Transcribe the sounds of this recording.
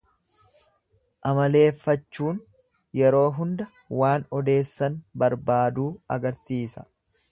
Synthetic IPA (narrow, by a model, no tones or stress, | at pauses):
ʔɐmɐle̞ːfːɐt͡ʃːuːn | jɛɾo̞ːɦʊnd̪ɐ | waːnɔd̪e̞ːsːɐnbɐɾbaːd̪uːɐ̰ɡɐɾsiːsɐ̥